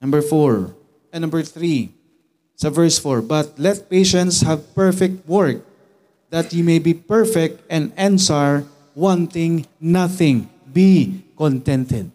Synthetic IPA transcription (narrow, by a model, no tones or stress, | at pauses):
nɐ̃mbɛɹfɔɹ | nɐ̃mbɛɹθɹi | sɐvɛɹsfɔɹbɐt̪̚lɛt̪̚pejʃɛ̃nt̪shavpɛɹfɛk̚t̪̚wɛɹk̚ | d̪ɐt̪jumejbipɛɹfɛk̚t̪ɛ̃nd̪ɛ̃nsaɹ | wãnt̪ɪ̃ŋnaθɪ̃ŋ | bikɔ̃nt̪ɛ̃nt̪ɛd̪̚